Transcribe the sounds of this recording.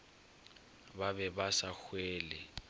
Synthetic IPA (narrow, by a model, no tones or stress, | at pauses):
babɛbasaxwɛːlɛ